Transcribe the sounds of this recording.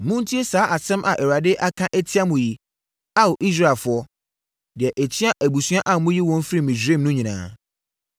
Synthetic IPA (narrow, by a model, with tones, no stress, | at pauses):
mʊ̃˦n˦tʰi˦e˦saː˨˦ʔa˨sɛ̃˦mʔa˨ʔɛ˨wa˨dɪ˦ʔa˦kʰã˦ʔɛ˦tʰi˦a˦mʊ̃˨ji˨ | a˦wo˨ʔi˦s̬ɾa˦ɛ˨lfʊ˨˦ɔ˦ | dɪ˨ɛ˨ʔæ˨t͡ɕʰi˦a˦ʔæ˨bu˨su˦ã˦ʔã˨mʊ̃˦ji˦wɔ̃˦ɱ˦fɾi˦˨mĩ˨d͡ʑᶣɾẽ˦˨mnʊ̃˦ɲĩ˨nã̰ː˦